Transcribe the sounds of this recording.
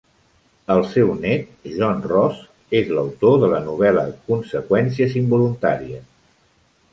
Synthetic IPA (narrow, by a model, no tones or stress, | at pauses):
əlˠsɛwnɛt̪̚ʒɔnrɔz | ezləwt̪oðələnuβɛləkunsəkwɛns̬iəzimbulunt̪aɾiə